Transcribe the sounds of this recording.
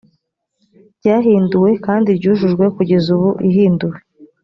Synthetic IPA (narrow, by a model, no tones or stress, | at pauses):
bɟaːɦiːnduwe̞kaːndiɾɟuːʒuʒɡwe̞kuɟe̞zuβuʔiɦiːnduwe